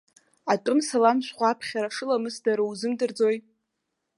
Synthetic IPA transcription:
atʼɨmsalamʃʷχʷapʰχʲaɾaʂɨlamɨsdaɾɨwzɨmdɨrd͡zo̞j

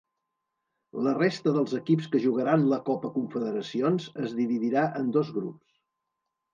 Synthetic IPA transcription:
lərest̪əðəlˠzəkipskəʒuɣəɾanləkɔpəkuɱfəðəɾəsionzəzðiβiðiɾaʔənd̪ɔzɣɾups

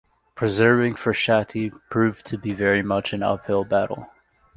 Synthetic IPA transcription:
pʰɹ̥ɨzɜ˞vɪ̃ŋfə˞ʃæɾipʰɹ̥ʉvtʰɨbivɛɹimʌt͡ʃɨ̃nʌ̰phɪlˠbæɾl̩ˠ

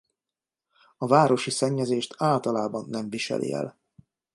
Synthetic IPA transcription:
ɒvaːɾo̞ʃisɛɲːɛzeːʃt̪ʰaːlt̪ɒlaːbɒnːɛɱviʃɛ̰lʔḭɛ̰l

